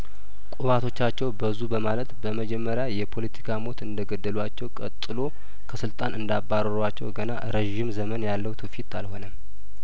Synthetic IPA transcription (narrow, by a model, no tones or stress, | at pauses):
kʼuβat̪ʰo̞t͡ʃːat͡ʃːɛwbəzubəmalət̪bəməd͡ʒɛmːəɾjajɛpʰo̞lət̪ʰi̥kʰamo̞t̪ɨnd̪əɡəd̪ːəlwat͡ʃːɛwkʼə̰t̪ʼːɨlo̞ | kʰəsɨlt̪ʼanɨnd̪abːaɾəɾat͡ʃːɛ̰wɡəna̰ɾeʒɪmzəmənjalːəwt̪ʰufit̪alho̞nəm